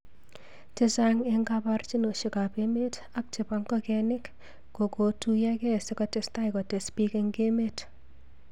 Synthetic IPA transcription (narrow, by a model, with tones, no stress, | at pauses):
t͡ʃɪ˦saŋeŋɡapart͡ʃi˦no˨ʃi˨ka˨pe˦me˦t | a˦k̚t͡ʃɪ˨paŋkɔkɛnɪ˦kː | o˨ko˨tu˦ja˦kɛ˦sɪkɔtesta˦jkɔ˨te˨spi˦ke˦ŋɡe˦met